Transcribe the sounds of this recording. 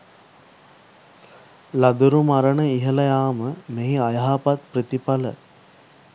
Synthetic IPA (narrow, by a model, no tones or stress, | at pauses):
lad̪uɾumaɾəɳəiɦəlɐjaːməmeɦiajaɦapat̪̚pɾit̪ipalə̰